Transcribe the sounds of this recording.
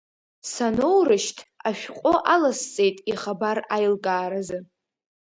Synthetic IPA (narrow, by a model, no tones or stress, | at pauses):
sanowrɨʃtʰaʃᶣqʷʼoʔalast͡sʼe̞jtʼiχabarajlkʼaːɾazɨ